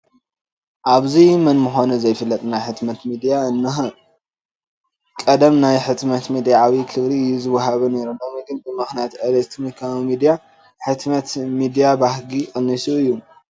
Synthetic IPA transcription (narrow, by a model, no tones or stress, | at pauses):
ʔaβzimɐnmɨxo̞nɐzɐjfɨlːɐt̪ʼnajħɨt̪mɐt̪mid̪ijaɨnːɨxɨ | kʼɐd̪ɐmnajħɨt̪mɐt̪mid̪ijaawikʰɨβɾiɨjːuzɨwɐɦaβɐneɾɨnːomɡɨnd̪ɨmːɨxnijat̪ɐlɐst̪ʰmikʰaβmid̪ija | ħɨt̪mɐt̪mid̪ijabahɡixʼɨnːisuɨjːu